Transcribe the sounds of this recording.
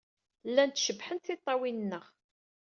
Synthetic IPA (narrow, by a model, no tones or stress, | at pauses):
lːænt̪ʃəbħənt̪θɪt̪ˤːɑwinənːəʁ